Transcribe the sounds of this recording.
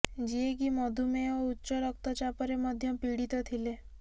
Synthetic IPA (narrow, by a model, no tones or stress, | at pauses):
d͡ʒieɡimɔd̪ʱumẽoʊtːt͡ʃɔɾək̚ʰt̪ɔt͡ʃapəɾeməd̪ʱjə̃piɽit̪ɔt̪ʰile